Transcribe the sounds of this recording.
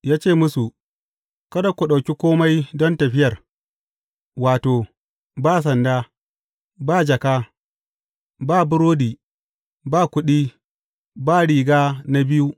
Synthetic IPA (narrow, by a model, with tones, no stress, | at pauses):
jaː˦t͡ʃeː˦˨mʊ˦su˨ | kɐ˦da˨kʷu˨ɗa˨wkʲi˦kʷoː˦ma˦jdɔ˦ntɐ˨ɸɪ˦jɐ˨r | waː˨toː˨ | baː˦˨s̬ɐ˨ndaː˦ | baː˦˨d͡ʒɐ˨kaː˦ | baː˦˨bʊ˦ɾoː˦diː˨ | baː˦˨kʷʊ˦ɗiː˦ | baː˦˨ɽiː˨ɡaː˦na˦bɪ˦ju˦